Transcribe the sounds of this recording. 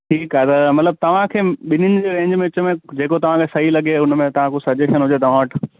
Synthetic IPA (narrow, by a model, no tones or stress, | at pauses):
ʈʰiːkaet̪ɐmɐt̪ləb̚t̪ɐʋ̤ãkʰeːɓɪnənɪ̆d͡ʑeːɾẽːɲd͡ʑmẽʊt͡ɕəmẽd͡ʑeːkot̪ɐʋ̤ãkʰesɐɦilɐɠeʊnmẽt̪ɐʋ̤ãkosɐd͡ʑeʃənɦʊd͡ʑet̪ɐʋ̤ãːʈ